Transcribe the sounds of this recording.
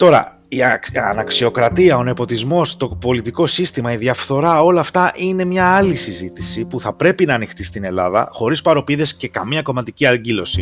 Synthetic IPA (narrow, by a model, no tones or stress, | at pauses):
t̪o̞ɾɐ̰ | iɐ̰nɐksio̞kɾɐt̪iɐo̞ne̞po̞t̪izmo̞st̪o̞po̞lit̪iko̞sist̪imɐiðjɐfθo̞ɾɐo̞lɐːft̪ɐʔine̞mɲɐːlisizit̪isipuθɐpɾe̞pinɐːnixt̪ist̪ine̞lɐ̰ðɐ̰xo̞ɾispɐɾo̞piðe̞sce̞kɐmiɲɐko̞mɐt̪iciɐɟilo̞si